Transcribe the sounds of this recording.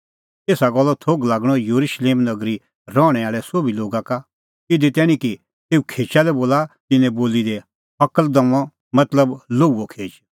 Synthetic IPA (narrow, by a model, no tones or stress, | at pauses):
t̪eːsaɡɔlːɔt̪ʰoːɡlaːɡɽ̃ɔ̃joɾuʃleːmnɐɡɾi | ɾɔːɽ̃ɛaːɭɛsoːbiloːɡaka | ɪd̪it̪ɛːɽ̃ĩki | t̪eːukʰeːt͡ʃalɛboːlat̪ɪnɛ̃boːlid̪ɛ | ɐkəld̪ɐ̃ɔ̃ | mɐt̪ləbloːuːokʰeːd͡ʒ